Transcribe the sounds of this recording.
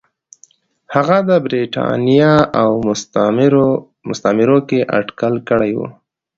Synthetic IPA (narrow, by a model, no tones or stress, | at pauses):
haɣad̪əbɾiʈɑ̰nijɑaw | ɾ | mʊst̪amɪɾokeʔa̰ɖkəlkəɽajwṵ